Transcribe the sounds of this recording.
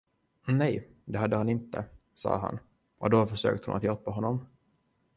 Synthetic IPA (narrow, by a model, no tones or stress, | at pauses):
nɛj | d̪ɛɦad̪ːəhanɪnt̪ə̰ | sɑ̰ːɦa̰n | ʔɔd̪ɔfœʂø̰ːk̚t̪əhʊnat̪jalpːaɦɔnːɔm